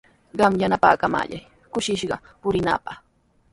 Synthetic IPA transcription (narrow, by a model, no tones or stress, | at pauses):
ɢɑmjanapa̰ːkama̰ːʎaj | kʊʃɪʃɢɑpʊɾɪna̰ːpɑχ